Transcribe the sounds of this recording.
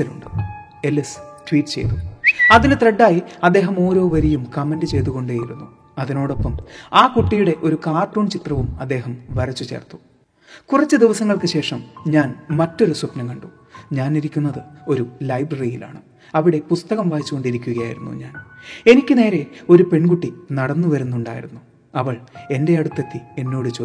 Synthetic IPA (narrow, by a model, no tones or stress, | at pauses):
ɐlṵɳɖɨ | elːisʈwiːʈːɨ̥t͡ɕejt̪uɐðinɨt̪reɖːaːjiɐd̪ːe̞ːɦɐmo̞ːɾo̞ːʋɐɾijumkɐmendɨt͡ɕe̞jt̪̬uɣo̞ɳɖeːjilunːu | ɐðino̞ːɽo̞pːɐmaːkuʈːijuɽe̞ʔo̞ɾukaːrʈːoːnt͡ɕit̪rɐʋumɐd̪ːe̞ːɦɐmʋɐrit͡ɕːut͡ɕe̞̰ːrt̪ːu̥ | kurɐt͡ɕːɨd̪iʋɐsɐŋːɐɭkɨɕe̞ːʂɐmɲaːnmɐtːo̞ɾusupnɐmkɐɳɖu | ɲaːniɾikʲːunːɐðɨo̞ɾulɐjbrɐrijila̰ːɳɨ | ɐʋiɽe̞pust̪ɐɣɐmʋaːjit͡ɕːuɣo̞ɳɖiɾikʲːuɣɐjaːjḭɾunːṵɲaːne̞nikʲːɨne̞ːɾe̞o̞ɾupe̞ɳkuʈːinɐɽɐnːuʋɐɾunːuɳɖa̰ːjḭɾunːu | ɐʋɐɭe̞nde̞ɐɽut̪ːɐt̪ːie̞nːo̞ːɽɨt͡ɕoː